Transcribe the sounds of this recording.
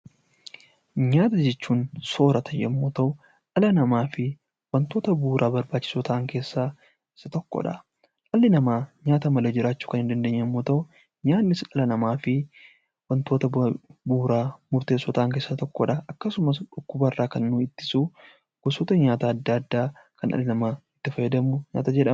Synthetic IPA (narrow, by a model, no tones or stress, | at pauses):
ɲaːt̪ɐd͡ʒɛt͡ʃːuːnso̞ːɾɐt̪ʰɐjɛ̰mːoːt̪ɐʔʊ | ᶑɐlɐnɐmaːfɪ | wɐnt̪o̞ːt̪ɐbuːɾʔaːbɐɾbaːt͡ʃːɪ̥sɔt̪aːŋke̞ːsːa | sɐt̪ɔkːɔ̰ᶑɐ̰ | ʔɐlːɪnɐmaːɲaːt̪ɐmɐlɐd͡ʒɪɾaːt͡ʃːu̥ːkɐnhɪnd̪ɐnd̪eːɲːɐmːoːt̪ɐʔʊ | ɲaːnːɪsɐlɐnɐmaːfɪ | wɐnt̪oːt̪ɐbuːɾaːmʊɾt̪e̞ːsːɔt̪aːŋk̬e̞ːsːɐt̪ɔkːɔ̰ᶑɐʔɐkːɐsʊmɐsᶑʊkːʊbɐrːaːkɐnːuːɪt̪ːɪ̥su | ɡ̥ʊsoːt̪ɐɲaːt̪aːd̪ːɐɐd̪ːaːkɐnʔɐ̰lːɪnɐmaɪt̪ːɪfɐjɐd̪ɐmʊɲa̰ːt̪ɐd͡ʒɛᶑɐ